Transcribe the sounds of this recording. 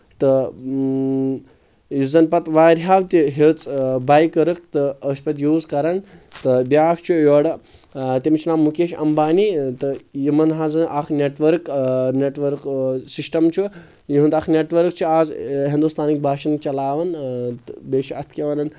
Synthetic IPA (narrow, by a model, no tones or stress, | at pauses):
t̪ɨ | jizɐnpɐt̪ʋaːɾɦaːʋt̪iɦet͡sʼbajkəɾɨk̚t̪ɨəsʲpɐt̪ʲjuːzkɐɾɐnt̪ɨbʲaːkʰt͡ʃʰujoːɽɐ | t̪ʲimt͡ʃʰnaːmːukeːʃɐ̰mbaːnit̪ɨjimɐnɦazɨnʔakʰnʲeʈʋɐɾkneʈʋɐɾksisʈɐmt͡ʃʰu | jiɦund̪ɐkʰneʈʋɐɾk̚t͡ʃʰuaːzɦind̪ust̪ʰaːnik̚bʱaːʃɐnt͡ʃɐlaːʋɐnt̪beːʃiɐt̪ʰkʲeʋɐnɐn